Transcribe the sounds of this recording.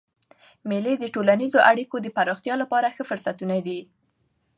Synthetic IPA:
meled̪əʈolanizoʔaɽikod̪əpaɾɑxt̪jɑlapɑɾaxəfʊɾsat̪unad̪i

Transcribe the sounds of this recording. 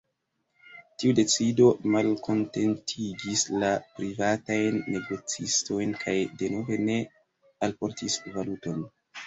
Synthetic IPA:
tiude̞t͡sido̞malkʰo̞nte̞ntʰiɡislapɾivatajnːe̞ɡo̞t͡sisto̞jnkʰajde̞no̞ve̞ne̞ | alpo̞ɾtisvaluto̞n

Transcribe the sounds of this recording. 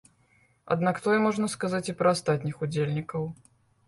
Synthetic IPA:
ɐ̰d̪nakt̪ɔjɛmɔʐnɐskazat͡sʲipɾɐːst̪at̪ʲnʲixud͡zʲelʲnʲikɐw

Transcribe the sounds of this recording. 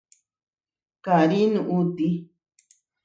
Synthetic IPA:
kaɾinũʔut̪i

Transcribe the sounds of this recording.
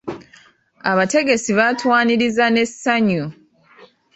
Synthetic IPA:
aβate̞ɡe̞siβatwaːniɾizane̞saɲu

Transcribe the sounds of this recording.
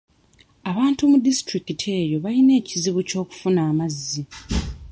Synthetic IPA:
aβaːntumudistɾikitʰe̞ːjo̞βaline̞ːciziβuco̞ːku̥funaːmazːi

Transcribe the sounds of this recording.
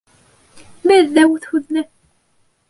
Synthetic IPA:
mæððæwθhuðnæ

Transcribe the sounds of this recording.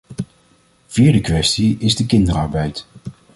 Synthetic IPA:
v̥iːɹdəkʋɛstiɪzdəkɪndəɾɑɹbɛjt

